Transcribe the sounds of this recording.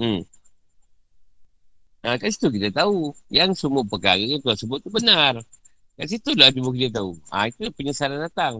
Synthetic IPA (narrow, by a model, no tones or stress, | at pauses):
ʔəkas̬it̪uk̬it̪at̪aujaŋsumʊpəkaɣikut̪uasəbʊubənar | kas̬it̪ulaad͡ʒumuk̬it̪at̪̬aua̰it̪upəɲəsalandat̪aŋ